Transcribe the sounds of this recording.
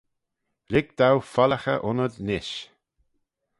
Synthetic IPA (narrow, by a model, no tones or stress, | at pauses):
ɾɪɡ̚d̪̥awfaləxə̰ʔʊnəd̪nɪʃ